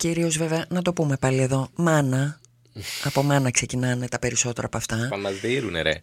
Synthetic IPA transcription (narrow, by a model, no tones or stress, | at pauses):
ciɾio̞zve̞veɐnɐt̪o̞pume̞pɐlie̞ðo̞mɐnɐ | ɐpo̞mɐnɐkse̞cinɐnet̪ɐpe̞ɾiso̞t̪e̞ɾɐːpoɐft̪ɐɐmɐzðiɾuneɾḛ